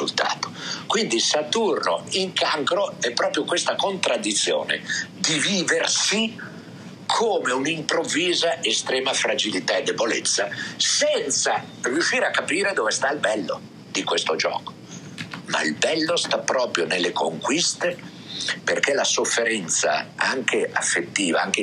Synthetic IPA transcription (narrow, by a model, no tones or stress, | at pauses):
ult̪a̰ːt̪o̥kwind̪isat̪urno̰iŋkaŋkɾoɛpːɾɔːpɾjokwest̪akont̪ɾad̪ːit̪sːjo̰ːnḛd̪iviːversi | kʰoːmeunimpɾovːiːzaʔest̪ɾɛːmafɾad͡ʒilit̪aed̪ːebolḛt̪sːasɛnt̪sa | riuʃːiːɾeakːapiːɾed̪ovest̪ailbɛlːo̰ | d̪̥ikwest̪od͡ʒɔ̰ːko̥ | ma̰ḭlbɛlːost̪apːɾɔːpɾjonelːekoŋkwist̪e | perkelasofːeɾɛnt̪sa̰aŋkʰeʔa̰fːet̪ːiːvaaŋk̟e